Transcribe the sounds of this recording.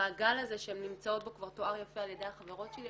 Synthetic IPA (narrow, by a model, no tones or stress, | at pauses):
aːɡalaze̞ʃeemnimt͡sao̞t̪̚bo̞kvaʁtoaʁjafealjed̪e̞jhaχave̞ʁo̞tʃeli